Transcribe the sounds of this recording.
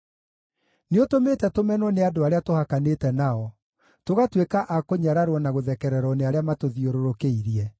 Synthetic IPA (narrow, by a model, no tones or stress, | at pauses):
neotometɛtomɛnwɔneadoaɾeatohakanetɛnaɔ | toɣatwekaʔakoɲaɾaɾwɔnaɣoðɛkɛɾɛɾɔneaɾeamatoðioɾoɾokeiɾiɛ